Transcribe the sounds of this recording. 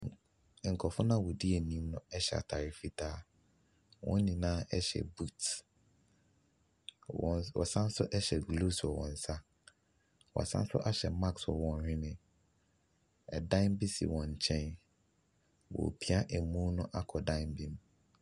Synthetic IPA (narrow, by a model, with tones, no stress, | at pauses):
ŋ̩˨kʰɔ˨fʊ̃˦nã˦wo˨di˦e˨nĩ˦mnʊ̃˦ɛ˦ɕɛ˨a̰˨tʰa˨ɾɪ˨fi˦tʰaː˦˨ | wʔɔ̰̃˦n˦nĩ˨nãː˦ʔɛ˦ɕɛ̰˨bu˦t | wɔ̰˨sã˦n˦sʊ˦ʔɛ˦ɕɛ˨ɡlo˦sɔ˨wɔ̰̃˨n̩˨sa˦ | wɔ̰˨a˨sã̰˦n˦sʊ̰˦ʔa˦ɕɛ˨mã˦kswɔ˨wɔ̃˨nɾĩ˦mɪ̃˨ | ɛ˨dã˦mbi˦sḭ˨wɔ̃˨ɲ˨t͡ɕʰɛ̃˦n | wɔ̰˨pʰi˦a˦ʔɛ˨mũ˦nʊ̃˦ʔa˦kʰɔ˨dã˦ɪ˦mbĩ˦m˦